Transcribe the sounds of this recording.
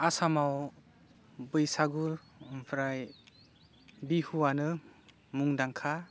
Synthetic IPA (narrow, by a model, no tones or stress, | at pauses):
asamaw | bɯjsaɡuɾ | mpʰɾaj | bihuwanɯ | muŋdaŋkʰa